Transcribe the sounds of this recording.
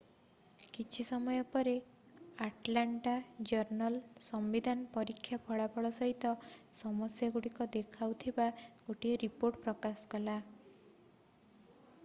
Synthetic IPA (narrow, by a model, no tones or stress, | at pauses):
kit͡ʃʰisɔmɔjɔpɔɾe | aʈlaɳʈad͡ʒɔɾnɔlsɔmbid̪ʱanɔpɔɾikʰːjapʰɔɭapʰɔɭɔsɔɦit̪ɔsɔmɔsjaɡuɽikɔd̪ekʰawt̪ʰibakoʈieɾipoɾʈpɾɔkasɔ̥kɔla